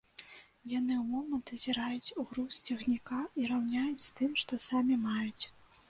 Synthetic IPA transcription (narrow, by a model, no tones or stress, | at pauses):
jan̪ɨwmɔmɐnt̪zʲiɾajut͡sʲuɣɾusʲt͡sʲɐɣnʲikaiɾawnʲajut͡sʲst̪ɨmʂt̪ɔsamʲimajut͡sʲ